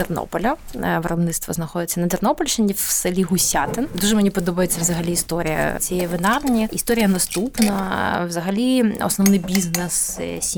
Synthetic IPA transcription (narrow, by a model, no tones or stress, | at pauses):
d̪ɛrno̰pɐlʲʊvrɐb̪nɨt̪st̪vɐ̰znɐxodɪt̪sɐnɐd̪ɛrnopɐlʲʂɪnʲifsɐlʲiɣʊsʲat̪ɨnd̪uʐɨmɨnʲipɐd̪obɐjʊt̪sʲɐvzɐɣɐlʲiːst̪oɾʲɪjɐ̰sʲejɛvɨnarnʲiɪst̪oɾʲɪjɐnɐst̪upnɐvzɐɣɐlʲiɐ̰snɐvnɨbʲiznɛssʲ